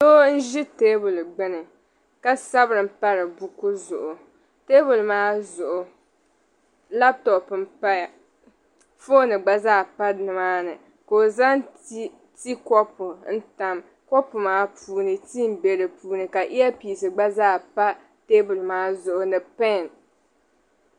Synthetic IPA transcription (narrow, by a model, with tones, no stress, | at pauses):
so˦n̩˦ʒi˦teː˦bʊ˨lɡ͡bɪ˦nɨ˨ | ka˦sa˦bɾɨ˨m̩˦pa˦ɾɨ˨bu˦ku˦zʊ˨ʔʊ˨ | teː˦bʊ˨lmaː˦zʊ˨ʔʊ˨ | la˦p̚tɔ˨pm̩˨pa˦ja˨ | fo˦nɨ˨ɡ͡ba˦zaː˦˨pa˦nɨ˨maː˦nɨ˨ | ko˨za˦n˦ | ti˦kɔ˦pʊ˨n̩˦ta˦m | kɔ˦pʊ˨maː˦pʰuː˦nɨ˨ti˦m˦be˨ɾɨ˨puː˦nɨ˨ka˨ʔi˦jɛ˦piː˨sɨ˨ɡ͡ba˦zaː˦˨pa˦ | teː˦bʊ˨lmaː˦zʊ˨ʔʊ˨nɨ˨pɛ˦˨n